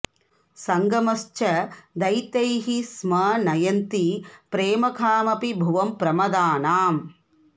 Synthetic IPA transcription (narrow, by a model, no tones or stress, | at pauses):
sɐŋɡɐmɐst͡ʃɐd̪ɐjt̪ɐjɦismɐnɐjɐnt̪ipɾeːmɐkʰaːmɐpibʱuʋɐmpɾɐmɐd̪aːnaːm